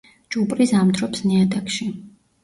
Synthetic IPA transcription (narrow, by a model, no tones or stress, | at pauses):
t͡ʃʼupʼɾisamt̪ʰɾɔpsniad̪akʃi